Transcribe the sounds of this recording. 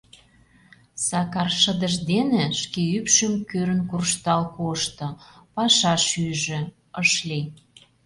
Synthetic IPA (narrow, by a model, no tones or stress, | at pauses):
sɑkɑrʃə̆d̪əʒd̪enĕʃkeypʃə̆mkøɾə̆nkurʃt̪ɑlkoʃt̪ɤ̆pɑʃɑʃyʒĕ | əʃli